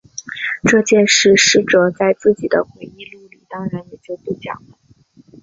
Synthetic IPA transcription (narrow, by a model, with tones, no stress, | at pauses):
ʈ͡ʂɤ˥˧t͡ɕjɛ˥˧nʂɻ̩˥˩ʂɻ̩˥˩ʈ͡ʂɤ˨˩t͡sa˥˧ɪt͡sɹ̩˥˩t͡ɕi˨˩d̪ə̰˦xwe˧˥ɪi˥˧li˥˩li˨˩˦t̪ɑ˥˧ŋɻa˧˥njɛ˨˩t͡ɕjo˥˧ʊt̪e˥˩t͡ɕjɑ̰˨˩ŋlə˦